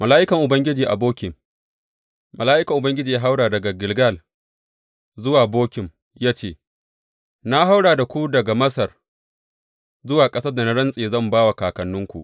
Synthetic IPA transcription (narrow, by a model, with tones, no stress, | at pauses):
mɐ˨laː˦ʔɪ˦kɐ˨ŋʔʊ˨bɐ˦ŋɡʲɪ˦d͡ʒiː˨ʔa̰˨boː˦kʲɪ˨m | mɐ˨laː˦ʔɪ˦kɐ˨ŋʔʊ˨bɐ˦ŋɡʲɪ˦d͡ʒiː˨jaː˦ɦa˦wɽaː˨dɐ˨ɡa˨ɡɪ˨lɡa˦˨l | zʊ˦waː˨boː˦kʲɪ˨m | jaː˦t͡ʃeː˦˨ | na˦ɦa˦wɽaː˨da˨kʷu˦dɐ˨ɡa˨mɐ˦sɐ˨r | zʊ˦waː˨kʼɐ˦sɐ˦rda˨na˦ɽɐ˦nsʼeː˨zɐ˦˨mbaː˦wa˨kaː˨kɐ˨nːʊ˦ŋkʷu˨ʔ